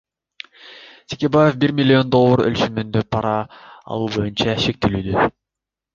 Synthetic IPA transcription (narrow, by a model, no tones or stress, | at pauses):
t̪ʰe̥kʲebajefbiɾmʲɪlʲːio̞nd̪o̞lˠːoɾø̰lt͡ʃymynd̪øpʰɑɾɑ̰ːlˠuːbo̞junt͡ʃɑʃe̞k̚t̪ilyːd̪ø